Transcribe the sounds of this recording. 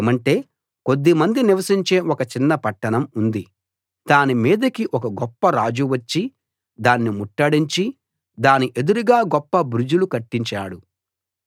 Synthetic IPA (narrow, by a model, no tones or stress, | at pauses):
eːmɐɳʈe̞ː | ko̞d̪ːimɐnd̪iniʋɐsiɲt͡ʃe̞ːʔɔkɐt͡ʃinːɐpɐʈːɐɳɐmund̪i | d̪̥aːnimiːd̪ɐkiʔɔkɐɡɔpːɐɾaːd͡ʒuʋɐt͡ʃːi | d̪aːnːimuʈːɐɽiɲt͡ʃi | d̪aːniʔe̞d̪uɾuɡaːɡɔpːɐbɾud͡ʒulukɐʈːiɲt͡ʃaːɽu